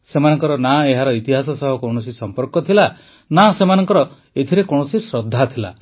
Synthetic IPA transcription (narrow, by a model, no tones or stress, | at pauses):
semanɔŋkɔɾɔnaeɦaɾɔit̪iɦasɔsɔɦɔkowɽ̃ɔsisɔmpɔɾkɔt̪ʰila | nasemanɔŋkɔɾɔ | et̪ʰiɾekoɳ̃ɔsisɾɔd̪ʱːat̪ʰila̰